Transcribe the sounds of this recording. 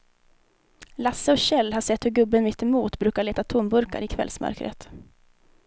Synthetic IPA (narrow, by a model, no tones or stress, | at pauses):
lasːəɔɕɛlːhaʂɛt̪ːhɵɾɡɵbːənmɪt̪ːɪmuːt̪bɾʉ̟ːkaɭeːt̪at̪ʰʊmbɵɾka̰ɾɪkʰvɛ̰lsmœ̰ɾkɾʔə̰t̪